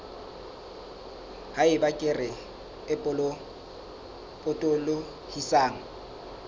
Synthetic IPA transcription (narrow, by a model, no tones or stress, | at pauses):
haɪbakʼɪrɪ | ɪpʼʊl | pʼʊtʼʊlʊ | hisaːŋ̩